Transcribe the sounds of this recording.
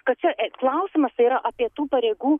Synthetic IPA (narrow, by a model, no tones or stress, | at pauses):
kɐt̪̚t͡ʃʲɛklˠɐʊsʲɪmɐst̪ɐiːɾɐʔɐpʲiɛt̪uːpɐɾʲeːɡuː